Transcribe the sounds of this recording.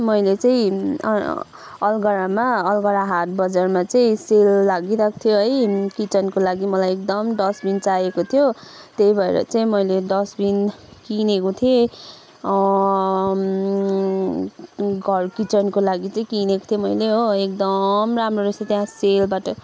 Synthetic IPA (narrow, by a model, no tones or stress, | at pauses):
mʌjlet͡saḭ̃ | ʌlɡʌɾamaʌlɡʌɾaɦat̪̚bʌd͡zʌrmat͡saĩselːaɡiɾakʰt̪ʰjoɦʌjkit͡sʌnkolaɡimʌlajekd̪ʌmd̪ʌsbint͡sajekot̪ʰjot̪ejbʱʌḛɾʌ̰t͡saĩmʌjled̪ʌsbinkinekot̪ʰije | ɡʱʌrkit͡sʌnkolaɡit͡saĩkineko̥t̪ʰjomʌjleɦoek̚d̪ʌmramroɾesat̪jãselbaʈʌ